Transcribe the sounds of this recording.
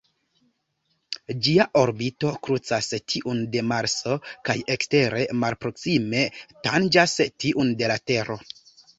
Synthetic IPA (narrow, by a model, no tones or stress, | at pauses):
d͡ʒiaʔo̞ɾbito̞kɾut͡sastʰiʔunde̞maɾso̞kajekste̞ɾe̞malpɾo̞ksime̞tand͡ʒastiʔunde̞late̞ɾo̞